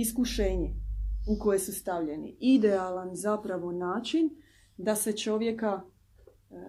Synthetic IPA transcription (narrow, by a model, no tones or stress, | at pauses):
iskuʃeːɲeuko̞je̞sust̪aʋʎe̞nḭid̪ealanzapɾaʋo̞naːt͡ʃin | d̪ase̞t͡ʃo̞ʋje̞ka